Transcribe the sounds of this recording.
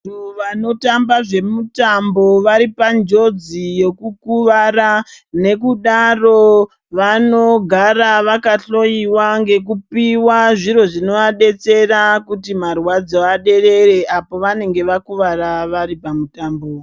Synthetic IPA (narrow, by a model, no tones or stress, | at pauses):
oʋano̞tambaʐe̞mutambo̞ʋaɾipand͡ʒo̞d͡zijo̞kukuʋarane̞kuɗaro̞ | ʋano̞ɡʱaraʋakaɬo̞iwaŋɡe̞k̬upiwaʐiɾo̞ʐino̞aɗe̞t͡se̞rakutimarwad͡zoaɗe̞re̞re̞ʔapo̞ʋane̞ŋɡe̞ʋakuʋaraʋaɾipamutaːmbo